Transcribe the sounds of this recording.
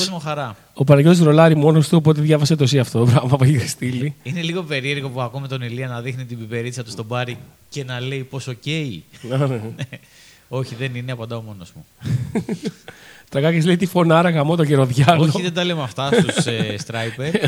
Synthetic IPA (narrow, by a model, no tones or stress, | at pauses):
ozmoxɐɾɐ | o̞pɐnɐʝozɾo̞lɐɾimo̞nost̪uo̞p̬o̞t̪eðʝɐvɐset̪o̞siɐft̪o̞bɾɐvɐpoiɣɾst̪iliineliɣo̞pe̞ɾie̞ɾɣopuɐkumet̪o̞niliɐnɐðixnit̪ibibe̞ɾisɐt̪ust̪o̞bɐɾice̞nɐle̞jpo̞soce̞iɐnene | o̞çiðe̞nineɐpɐnd̪ɐomo̞nozmu | t̪ɾɐkɐkɐzlejt̪ifo̞nɐɾɐɣɐmot̪oʝeɾo̞ðʝɐonoçiðed̪ɐlemɐft̪ɐsst̪usest̪ɾɐjpeɾ